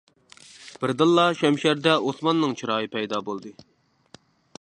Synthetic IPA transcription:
b̥ɪɾd̪ɨlˠːɑʃɛmʃæɾd̪ɛosmɑnːɨŋt͡ʃʰiɾɑːɨpʰɛjd̪ɑbolˠd̪ɨ

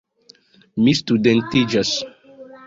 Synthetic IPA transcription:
mist̪udɛ̃ntid͡ʒas

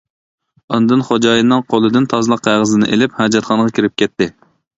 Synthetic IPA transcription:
ɑnd̪ɨnχod͡ʒɑːjinːɨŋqʰolˠɨd̪ɨnt̪ʰɑzɨlˠɑqʰːæʁəzɨnɨ̰ʔelɪphɑd͡ʒɑt̪χɑɴʁɑkʲʰiɾɪp̚kʲʰɛt̪ʰːɪ

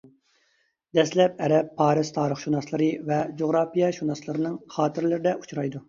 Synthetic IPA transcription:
d̪ɛslɛp̚ɛɾɛpʰːɑːɾɨz̥t̪ʰɑːɾəχʃunɑslˠɨɾɨvɛd͡ʒoʁɾɑːpijɛʃunɑslˠɨɾɨnɨŋχɑːt̪ʰɪɾlɪɾɪd̪ɛʔut͡ʃɾɑjd̪u

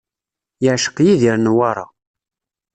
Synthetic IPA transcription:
jəʕʃə̥qjiðiɾnwɑɾˤɑ̰

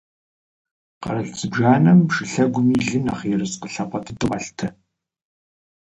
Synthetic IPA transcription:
qɐ̰ɾɐɬt͡sʼɨbʒaːnɐmʃɨɬɐɡʷʊmiːɮɨna̰ːχjɛrɨsqəɬɐqʷʼɐtʰɨtʼɨʁɐɬtʰɐ

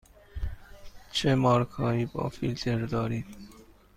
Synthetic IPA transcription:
t͡ʃʰemɒːɾkʰɒːiːbɒ̰ːfilt̪ʰeɾd̪ɒːɾiː

